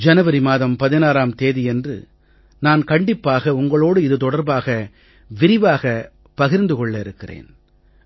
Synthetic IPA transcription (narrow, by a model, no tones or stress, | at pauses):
d͡ʒɐnɐʋɐɾɪmaːðɐmpɐðɪnaːɾaːmt̪eːðɪɛndrɯ̰ | naːnkɐɳɖɪpːaːɣɐʊŋɡɐɭoːɽɯɪðɯt̪ɔɽɐɾbaːɣɐ | ʋɪɾɪʋaːɣɐ | pɐɣɪɾnd̪ɯkɔɭːɐɪɾɯkːɪrḛːn